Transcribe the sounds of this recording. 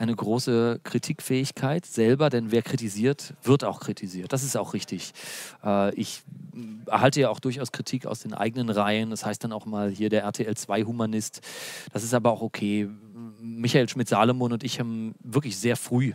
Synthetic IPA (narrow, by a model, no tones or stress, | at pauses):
ʔaɪnəɡʁoːsəkʁ̥itʰiːkfɛːɪçkʰaɪtz̥ɛlbɐdɛnveːɐkʁ̥itiziːɐtv̥ɪɐtaʊxkʁ̥itʰiziːɐt̚d̥as̬ɪstaʊxʁ̥ɪçtɪçʔɛːʔɪç | ɐhaltəjaːaʊxd̥ʊɐç̬aʊskʁ̥itʰiːka̰ʊsd̥eːnʔa̰ɪɡənənʁaɪənashaɪstd̥anaʊxmaːlhiːɐdeːɐʔɛɐtʰeːɛlt͡sv̥aɪhumanɪstd̥asɪstʔaːbɐaʊxokʰeː | mɪçaeːlʃmɪtz̥aːlomoːnʊntɪçhaːbm̩vɪɐklɪçz̥eːɐfʁ̥yː